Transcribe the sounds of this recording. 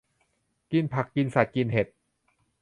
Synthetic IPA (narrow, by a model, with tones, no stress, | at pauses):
ki˧npʰa˨˩kːi˧nsa˨˩t̪̚ki˧nhe˨˩t̪̚